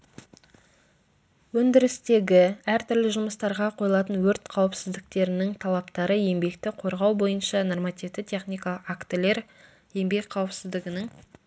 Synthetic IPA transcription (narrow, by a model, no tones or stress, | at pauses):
wɵnd̪ɪɾɪst̪e̞ɡʲɪæɾt̪ʰʏɾlɪʒʊməst̪ɑɾʁɑqʰo̞jlˠɑt̪ənwɵɾt̪qʰɑwəpsɪzd̪ɪk̚t̪e̞ɾɪnɪŋt̪ʰɑlˠɑpt̪ɑɾəje̞mbe̞kt̪ɪqʰo̞ɾʁɑwbo̞jənʃɑno̞rmɑt̪ivd̪ɪt̪ʲʰe̞χnijkaakt̪əle̞ɾ | je̞mbe̞kʲqʰɑwəpsɪzd̪ɪɡʲɪnɪŋ